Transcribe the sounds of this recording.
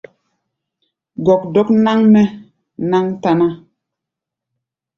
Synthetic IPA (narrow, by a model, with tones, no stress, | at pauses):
ɡɔ˨k̚dɔ˦kna˦ŋnɛ˦ | na˦ŋta˨na˦